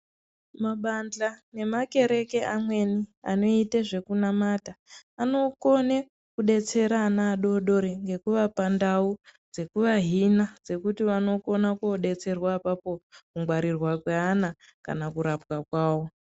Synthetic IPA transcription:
maɓand͡ɮane̞make̞ɾe̞ke̞amwe̞nia̰no̞iteʐe̞kunamataːno̞ko̞ne | kuɗe̞t͡se̞ɾaːnaːɗo̞ɗo̞ɾiŋɡe̞kuʋapandaud͡ze̞kuʋaɦinad͡ze̞kutiʋano̞ko̞nakuoɗe̞t͡se̞rwaːpapo̞kuŋɡwaɾirwakweana | ka̰nakuɾapkakwaːwo̞

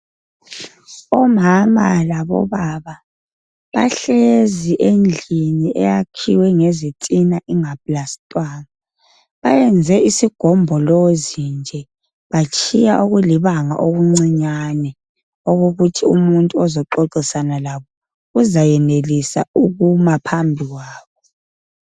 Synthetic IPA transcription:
ɔmamalaβɔ̰βaβa | βa̰ɬeziʔend͡ɮʱiniʔɛ̰jakʰḭwɛŋezitʼinaʔiŋapʼlastʼwaːna | βajɛnd͡zʱɛisiɡ̥ʱɔmbʱɔlɔzind͡ʒʱɛ | βat͡ʃʼʰijaʔuɣuliβaŋa̰ʔoɣuŋ͡ǀiɲanɛ | oɣoɣutʰiumuntʼuɔzɔǃoǃisanalaβɔ | ɣuzajɛnelisauɣumapʰambʱiɣwaːβɔ

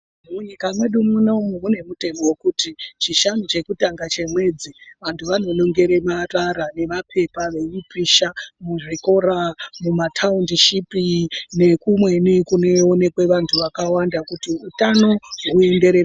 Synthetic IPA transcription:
muɲikamwe̞ɗumunaumuɦune̞mute̞mowokutit͡ʃiʃanot͡ʃe̞kutaŋɡat͡ʃe̞mwe̞d͡ziʋantʰuʋano̞lo̞ŋɡe̞ɾe̞mataɾane̞ʋapʰe̞paʋe̞ipiʃamuʐiko̞ɾamumatʰaundiʃipine̞kumwe̞nikuneone̞kwe̞ʋantʰuʋakawandakutiutano̞ɦue̞nde̞ɾera

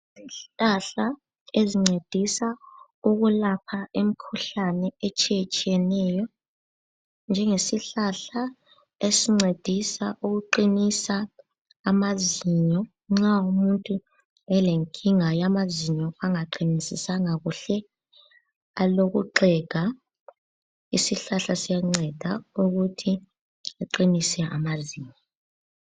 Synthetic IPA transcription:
ziaɬa | eziŋ͡ǀed̥ʱisa | uɣulapʰaem̩kʰuɬanɛɛt͡ʃʼɛɛt͡ʃʼiɛnɛːjɔ | nd͡ʒʱɛŋesiɬaɬa | esiŋ͡ǀed̥ʱisaʔuɣuǃinisaː | maziɲɔ | ŋ͡ǁaumuntʼu | ɛleŋkʰʼiŋajamaziɲɔaŋaǃinisisaŋaɣuɬɛ | aloɣuǃʱɛɡ̥ʱa | isiɬaɬasijaŋ͡ǀɛd̥ʱauɣutʰi | aǃinisɛʔa̰maziːɲɔ

